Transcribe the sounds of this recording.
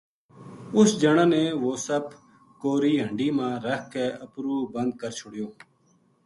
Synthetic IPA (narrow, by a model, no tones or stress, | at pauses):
ʊsd͡ʒəɳãːneːʋoːsəb̚ | koːɾiːɦəɳɖiːmãːɾəɦkeːəpɾuːbənd̪̚kəɾt͡ʃʰʊɽɪjoː